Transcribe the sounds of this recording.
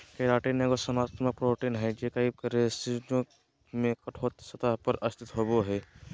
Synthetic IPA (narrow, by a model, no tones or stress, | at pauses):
keɾaːʈinekosɐmaːt̪mək̚pɾoːʈiːnɦɛd͡ʒekaikɐɾesid͡ʒõ | mẽkɐʈʰoːt̪sɐt̪aɦpəɾɐst̪ʰɪt̪ɦoːboɦɛː